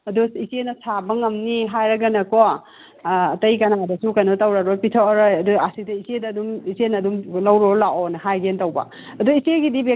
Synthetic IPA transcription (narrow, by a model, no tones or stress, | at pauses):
ɐduisenɐsʰabɐŋɐmniɦajɾɐɡɐnɐkoː | tɐjkɐnadɐsukɐjnotɐwɾɐɾopitʰoɾɔjɐduasidɐisedɐdumisenɐdumlɐwɾolaʔɔnɐɦajɡentɐwbɐ̰ | ɐduiseɡidibe